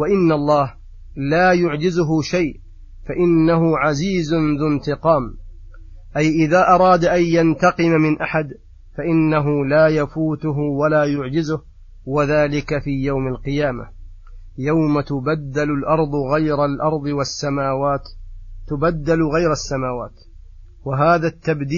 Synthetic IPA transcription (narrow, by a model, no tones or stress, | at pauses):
waʔɪnːalˤːɑːh | laːjʊʕd͡ʒɪzʊɦʊʃajʔ | faʔɪnːaɦʊʕaziːzʊnðʊnt̪ɪqɑːm | ʔajʔɪðaːʔɑɾˤɑːd̪ʔajjant̪ɑqɨmamɪnʔaħad̪ | faʔɪnːaɦʊlaːjafuːt̪ʊɦʊwalaːjʊʕd͡ʒɪzʊh | waðaːlɪkafiːjawmalqɨjaːma̰ | jawmat̪ʊbad̪ːalʊlʔɑɾˤd̪ˤɣajɾalʔɑɾˤd̪ˤɨwasːamaːwaːt̪ːʊbad̪ːalɣajɾasːamaːwaːt̪ | waɦaːðat̪ːabd̪iː